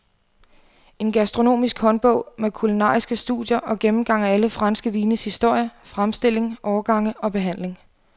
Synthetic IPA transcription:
e̝nɡ̥æsd̥ʁo̝no̝̰ːmisɡ̥hɒ̽nb̥ɔ̽ʊ̰mekʰulinɑ̰̈ːisɡ̥əsd̥ṵðˠjɐʔɒ̽ɡ̥emm̩ɡ̥ɑ̈ŋ̰ææləfʁɑ̈nsɡ̥əʋiːnəshisd̥o̝ɐ̰jəfʁamsd̥e̝l̰e̝ŋʔɒːɐɡ̥ɑ̈ŋ̰əʔɒ̽b̥e̝ɦæn̰leŋ

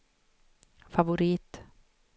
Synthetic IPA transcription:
favʊɾiːt̪

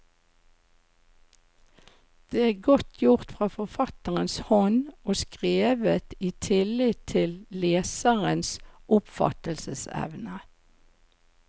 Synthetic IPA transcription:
d̪̥eːæːɡɔt̪ʰjʊʁt̪fʁɑːfɔfɑt̪əʁənshɔnoːskʁeːʋət̪iːt̪ʰɪlɪt̪ʰɪlleːsəʁənsʔʊpfɑ̰t̪əlsəsɛ̰ʋnə

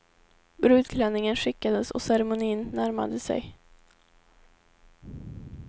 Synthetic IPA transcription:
bɾʉ̟ːd̪kʰlɛnːɪŋənɧɪkːad̪əsɔ̰sɛɾɛmʊniːnːæɾma̰d̪əsɛ̰j

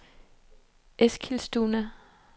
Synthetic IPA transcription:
ʔeskʰilsd̥uːnæ

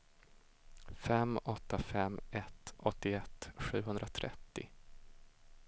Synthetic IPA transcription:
fɛmɔt̪ːafɛmɛt̪ɔt̪ːɪɛt̪ːɧʉ̟ːɦɵnd̪ɾat̪ʰɾʔɛ̰t̪ːɪ̰

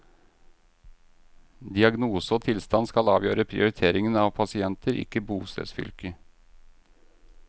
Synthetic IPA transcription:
d̪ɪɑɡnuːsəoːt̪ʰɪlst̪ɑnskɑlɑːʋjøːɾəpʰɾɪ̰ʊɾɪt̪ʰeːɾɪŋənɑʋpʰɑsɪɛnt̪ʰəɾɪ̰kːəbuːst̪ḛːsfʏ̰lkə

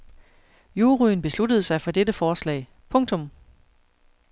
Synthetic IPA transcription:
juːʁyːn̩b̥e̝slud̥əð̞̩ˠsɑ̈ɪfɒ̽d̥ed̥əfɒːslɛ̰ːɪ | pʰɔ̽ŋt͡sʰɔ̽m

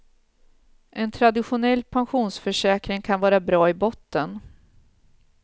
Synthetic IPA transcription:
ʔɛnt̪ʰɾad̪ɪɧʊnɛlːpʰanɧuːnsfœʂɛːkɾɪŋkʰanvɑːɾabɾɑːɪbɔt̪ːən

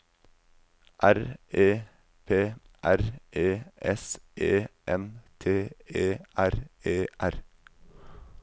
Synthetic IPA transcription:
ʔæɾʔeː | pʰeː | ʔæɾʔeːʔɛsʔeːʔɛmt̪ʰeːeːʔæɾeːʔæɾ

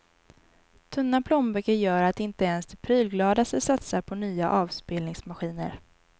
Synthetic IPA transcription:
t̪ʰɵnːapʰlɔmbɛkəjœːɾat̪̚d̪ɛɪnt̪əɛnsd̪ɛpʰɾyːlɡlɑːd̪asəsat̪saɾpʰɔnyːa̰ʔɑːvspeːlnɪŋsmaɧiːnə̰ɾ

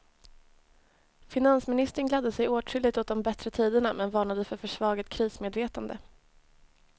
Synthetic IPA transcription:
fɪnansmɪnɪst̪əɳɡlad̪ːəsɛjoːʈʏlɪt̪ɔt̪̚d̪ɔmbɛt̪ɾət̪ʰiːd̪əɳamɛnvɑːɳad̪əfœɾfœʂvɑːɡət̪̚kʰɾiːsmeːd̪veːt̪and̪ə

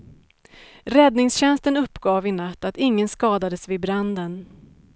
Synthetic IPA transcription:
ɾɛd̪nɪŋsɕɛnst̪ənɵpːɡ̥ɑːvɪnat̪ːat̪ɪŋːənskɑːd̪ad̪əsvɪbɾand̪ən

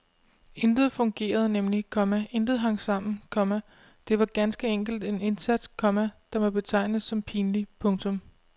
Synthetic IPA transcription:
e̝nd̥ð̞̩ˠfɔ̽ŋɡ̥e̝̰ːɐð̞̩ˠnemlikʰɒ̽mæʔe̝nd̥ð̩ˠɦɑ̈ŋ̰sɑ̈m̰n̩kʰɒ̽mæ | d̥e̝ʋɑ̈ɡ̥ænsɡ̥əeŋ̰ɡ̥l̩d̥e̝ne̝nsæd̥skʰɒ̽mæd̥ɑ̈mɒb̥e̝t͡sʰɑ̈ɪ̰nəðˠsɒ̽mpʰiːnlipʰɔ̽ŋt͡sʰɔ̽m

